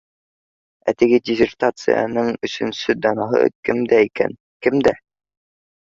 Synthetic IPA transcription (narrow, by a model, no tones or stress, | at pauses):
æt̪ɘ̆ɡɘdʲɪzʲɪrt̪at̪sɨ̰jɑ̰nɤɴɵ̆sɵ̆nsɵd̪ɒnɑɦɤ̰kɘmd̪æikæ̰n | kɘmd̪æ